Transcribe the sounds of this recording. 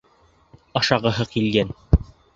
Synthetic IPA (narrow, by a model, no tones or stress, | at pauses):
ɑʃɑʁɤ̆ɦɤqilɡæn